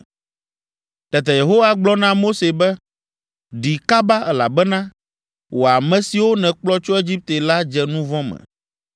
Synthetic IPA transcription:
t̪ɛ˨t̪ɛ˨je˨ɦo˦wa˨ɡ͡blɔ˦nã˦mo˦se˨bɛ˦ | ɖi˨ka˦ba˦ɛ˦la̰˨bɛ˦nã˦ | wo˨a˨mɛ̃˨si˨wo˦nɛ̃˨k͡plɔ˦t͡ʃɔ˦e˦d͡ʑi˦p̚t̪e˨la˦d͡ʒɛ˨nũ˦vɔ̃˦mɛ̰̃˨

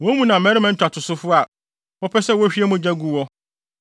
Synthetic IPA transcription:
wɔ̃˨˦mũ˦nã˨mɛ̃˦ɾɪ˦mã˨ɲ̩˦t͡ɕᶣa˨tʰʊ˨sʊ˦fʊ˦a˨ | pɔ˦pʰɛ˦sɛ˦wɔ˦ɕᶣi˦ɛ˦mũ˦d͡ʑᶣæ˦ɡu˨wɔ˦

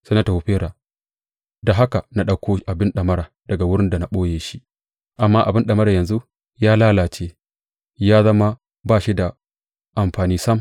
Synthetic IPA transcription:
sɐ˦na˦ta˨hu˨ɸeː˦ɾa˨ | da˨ɦa˦ka˨na˦ɗɐ˦kʰʷoː˦ʔa˨bɪ˦nɗɐ˨mɐ˦ɾaː˨d̥ɐ˨ɡa˨wʊ˦ɽɪ˦nda˨na˨ɓoː˦jeː˨ʃi˦ | ʔa˨mːaː˦ʔa˨bɪ˦nɗɐ˨mɐ˦ɾa˨jɐ˨nzu˦ | jaː˦laː˦laː˨t͡ʃeː˦ | jaː˦zɐ˦ma˦ | baː˦ʃi˦da˨ | ʔa˨mɸaː˨niː˦sɐ˦m

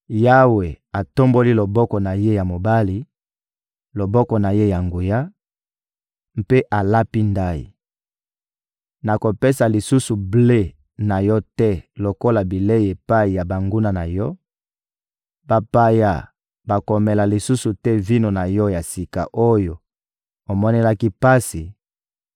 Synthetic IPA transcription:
ja˦we˨a˨to˦mbo˦li˦lo˨bɔ˦kɔ˨na˨je˦ja˨mo˨ba˦li˨ | lo˨bɔ˦kɔ˨na˨je˦ja˨ŋɡu˨ja˦ | m˦pe˦ʔa˨la˦pi˦nda˦jḭ˨ | na˨ko˨pe˦sa˨li˨su˦su˨ble˦ | na˨jɔ˦tɛ˦lo˨ko˦la˨bi˨le˦˨e˨pa˦i˨ja˨ba˨ŋɡu˦na˨na˨jɔ˦ | ba˨pa˦ja̰˦˨ | ba˨ko˨me˨la˨li˨su˦su˨tɛ˦vi˦no˨na˨jɔ˦ja˨si˨ka˨ʔo˦jo˨ | o˨mɔ˦ne˦la˦ki˦pa˦si˨

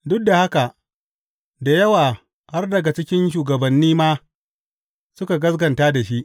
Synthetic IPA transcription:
dʊ˦k̚da˨ha˦ka˨ʔ | da˨jɐ˦waː˨ | ha˦rdɐ˨ɡa˨t͡ʃɪ˦kʲɪ˦nʃ̬uː˨ɡɐ˨bɐ˨nːiː˦maː˦ | sʊ˦ka˨ɡɐ˦sɡɐ˨ntaː˦da˨ʃi˦ʔ

